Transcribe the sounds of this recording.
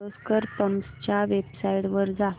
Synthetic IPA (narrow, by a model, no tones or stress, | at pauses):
oskəɾpəmst͡ɕjaʋebsaiɽʋəɾd͡za